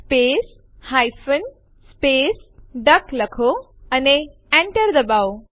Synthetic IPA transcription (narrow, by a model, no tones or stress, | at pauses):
speːs | hajfən | speːsɖəkləkʰo | əne | ɛ̃ɳʈəɾd̪əbao